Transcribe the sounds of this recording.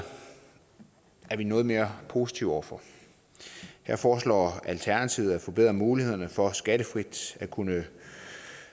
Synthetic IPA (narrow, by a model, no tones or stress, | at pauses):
æɐʋinɔ̽ːð̞̩ˠme̝ːɐpʰo̝ːsi̥t͡sʰiʊɒ̰ɐfɒ | hæɐfɒːslɒ̰ːælt͡sʰæɐnæt͡sʰiʊð̩ˠæfɒ̽b̥e̝ð̰ˠʁɐmuːlihe̝ð̞̰ˠɐnəfɒ̽sɡ̥æd̥əfʁid̥ækʰunə